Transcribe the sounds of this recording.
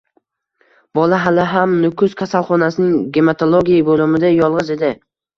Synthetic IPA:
bɒlaɦalɪɦamnʊkʰʊz̥kʲʰasalˠχɒnasɪnɪŋɡʲemat̪ʰolˠoɡʲijabolɪmɪd̪ajɒlˠʁɨze̞d̪ɪ

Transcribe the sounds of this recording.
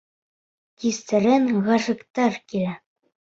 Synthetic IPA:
kist̪ɘ̆ɾɘŋʁɑʃɤ̆kt̪ɑɾkilæ

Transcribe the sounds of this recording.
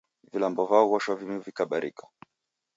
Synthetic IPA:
vilambɔvaɔɣaʃavimivikaɓaɾḭkḁ

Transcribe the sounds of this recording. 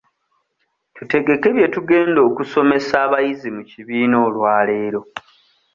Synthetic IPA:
tute̞ɡe̞ke̞βje̞tuɡe̞ːndo̞ːkuso̞me̞saːβajizimuciβiːno̞ːlwaːle̞ːɾo̞

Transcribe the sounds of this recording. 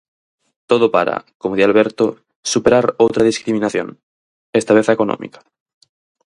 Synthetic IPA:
t̪oð̞opaɾa̰komoðjalβ̞eɾt̪o | supeɾaɾowt̪ɾað̞iskɾimĩnaθjo̰n | est̪aβeθaekonõ̰mḭkḁ

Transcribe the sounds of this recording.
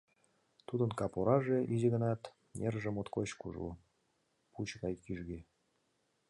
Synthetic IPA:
t̪ud̪ə̆nkɑpoɾɑʒeʔizeɣə̆nɑt̪ | nʲerʒemot̪kot͡ɕkṵʒṵ | put͡ɕɣɑjkiʒɣe

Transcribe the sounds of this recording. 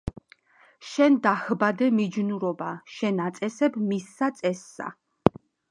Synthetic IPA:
ʃɛnd̪ahbad̪ɛmid͡ʒnuɾɔbaʃɛnat̪sʼɛsɛbmisːat̪sʼɛsːa̰

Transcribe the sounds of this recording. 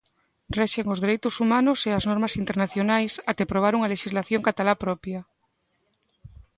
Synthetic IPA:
rɛʃeŋozðeɾejt̪osumanoseaznɔɾmasint̪eɾnaθjonajsat̪epɾoβ̞aɾuŋaleʃizlaθjoŋkat̪alapɾɔpja

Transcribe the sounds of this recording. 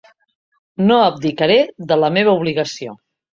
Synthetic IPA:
noəb̚d̪ikəɾeðələmeβ̞əuβliɣəsio

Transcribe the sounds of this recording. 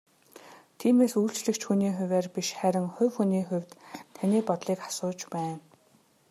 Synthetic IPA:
t̪ʰiːmeːsuːɬt͡ɕɮɘ̆kt͡ɕxuniːxʊ̟wʲæːrpiʃχæɾʲɪ̆ŋχʊ̟wxuniːxʊ̟wʲt̪t̪ʰaniːpɔt̪ɮiːkḁsʊːt͡ɕpæːn

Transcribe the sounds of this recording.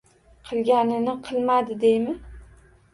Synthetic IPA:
qʰɨlˠɡʲanɪnɪqʰɨlˠmad̪ɪd̪ejmɪ

